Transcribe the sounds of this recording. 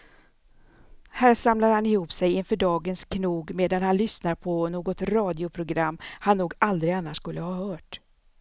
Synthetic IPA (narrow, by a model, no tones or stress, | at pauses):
hæːɾʂamlad̪hanɪhuːpsɛjɪnfœɖɑːɡənskʰnuːɡmeːd̪an̪hanlʏsnaɾpʰɔnoːɡɔt̪ɾɑːd̪ɪʊpʰɾʊɡɾamːhanːuːɡald̪ɾɪɡanːaʂkɵlːəhɑːhœːʈ